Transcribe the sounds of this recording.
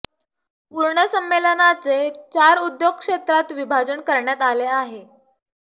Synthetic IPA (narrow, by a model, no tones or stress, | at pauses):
puɾɳəsəmːelənat͡set͡ɕaɾud̪joɡ̚kʂet̪ɾat̪ʋibʱad͡zəɳkəɾɳjat̪aleaɦe